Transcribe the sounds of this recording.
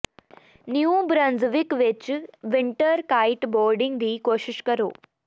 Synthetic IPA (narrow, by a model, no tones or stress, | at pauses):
njubɾɐnzʋɪkʋɪt͡ʃʋɪɳʈəɾkaːɪʈboːɾɖɪ̃ŋɡd̪iːkoːʃɪʃkɐɾoː